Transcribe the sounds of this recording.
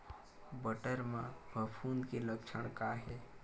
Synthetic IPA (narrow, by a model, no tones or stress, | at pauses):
bəʈəɾmãbʱəpʰuːnkiləkt͡ʃʰəɽ̃kaɦe